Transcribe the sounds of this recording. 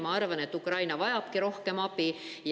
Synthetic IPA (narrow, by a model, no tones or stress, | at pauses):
mɑɑrvɑne̞t̪ːukrɑjnɑvɑjɑpkiɾo̞hke̞mɑpij